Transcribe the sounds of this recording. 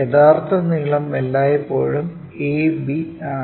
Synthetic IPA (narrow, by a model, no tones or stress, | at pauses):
eðaːrt̪ʰɐniɭɐmːelːaːjɐpːo̞ːɻum | eːbi